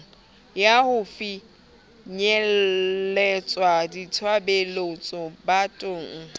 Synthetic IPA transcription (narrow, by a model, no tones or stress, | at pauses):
jahʊfi | ɲɛlɛt͡sʼwaditʰwabelot͡sʼɔbatʼʊːŋ̩